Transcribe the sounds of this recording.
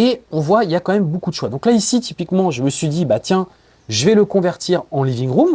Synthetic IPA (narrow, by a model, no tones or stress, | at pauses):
eɔ̃vwailjakɑ̃mɛmbokud̪əʃwad̪ɔ̃klaisit̪ipikmɑ̃ʒəməsɥid̪ibat̪jɛ̃ | ʒəvɛləkɔ̃vɛʁt̪iʁɑ̃livĩŋʁum